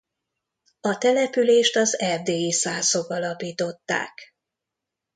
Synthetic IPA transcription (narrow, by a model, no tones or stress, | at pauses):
ɒt̪ɛlɛpyleːʃt̪ɒzɛrd̪eːisaːzo̞ɡɒlɒpiːt̪o̞t̪ːa̰ːk